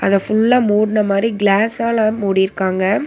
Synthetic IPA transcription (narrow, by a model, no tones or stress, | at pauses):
ɐðɐfʊɭːaːmuːɽɪnɐmaːd̪ɾiɡɭaːsaːlamuːɽɪjɪɾɯkːaːŋɡɐ